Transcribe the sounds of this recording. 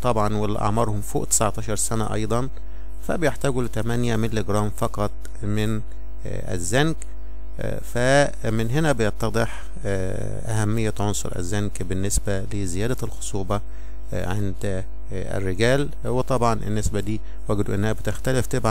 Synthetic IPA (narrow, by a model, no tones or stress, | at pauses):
t̪ˤɑbʕɑnwel̰ːʔɑ̰ʕmɑɾˤhomfo̰ːʔt̪e̥sʕɑt̪ˤɑːʃɑɾˤsænæ̰ʔɑ̰jd̪ˤɑn | fæ̰bɪjeħt̪æːɡulɪt̪æmænjæmelːeɡɾˤɑːmfɑqɑt̪ˤ | mɪn | ʔæ̰zːænk | fæ | mɪnɦenæbejɑt̪ːɑd̪ˤɨħ | ʔæ̰hæmːɪjːæʕonsˤo̰ɾʔæ̰zːænkbɪnːesbælezɪjæːd̪ælxosˤuːbɑ | ʕend̪ | æ̰rːɪɡæːl | wet̪ˤɑbʕɑnʔɪ̰nːesbæd̪iː | wæːɡd̪uʔenːæhæbet̪ext̪æleft̪ebʕ